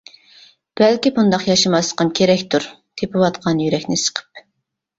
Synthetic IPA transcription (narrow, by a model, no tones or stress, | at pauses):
b̥ælkʲibund̪ɑqjɑʃɨmɑsqɑmkʲʰeɾɛkʲt̪ʰuɾ | t̪ʰepɨwɑt̪qʰɑnjyɾɛkʲnɪsə̥qʰə̥p̚